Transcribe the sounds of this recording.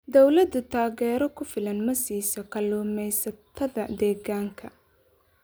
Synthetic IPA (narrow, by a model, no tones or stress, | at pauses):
d̪ɔwlɐd̪ʊt̪ʰaːɣɛːɾɔkʰʊfɪlɐnmɐsiːsɔkʰɐlɔːmɛjsɐt̪ʰɐðɐd̪ɛːɣaːŋkʰɐ